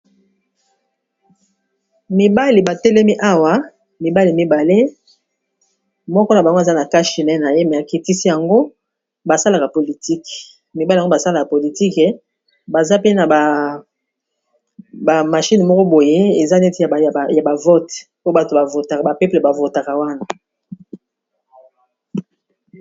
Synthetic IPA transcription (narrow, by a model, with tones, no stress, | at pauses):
mi˨ba˦li˨ba˨tɛ˦le˦mi˦ʔa˦wa˦ | mi˨ba˦li˨mi˦ba˨le˦ | mɔ˦kɔ˦na˨ba˨ŋɡza˦na˨ka˦ʃi˨nɛ˦na˨je˦mɛ˨a˨ki˨ti˦si˦ja˨ŋɡo˦ | ba˨sa˦la˨ka˨po˨li˨ti˦k | mi˨ba˦e˦˨˦o˦ba˨sa˦la˨ka˨po˨li˨ti˦kɛ˨ | ba˨za˦pe˦na˨ba˨ | ba˨ma˨ʃi˦n˨mɔ˦kɔ˦bo˨je˦e˨za˦nɛ˦ti˦a˨ja˨ja˨ba˨vo˦tpo˦ba˨to˨ba˨vo˨ta˨ba˨pe˦ple˨ba˨vo˨ta˨ka˨wa˦na˨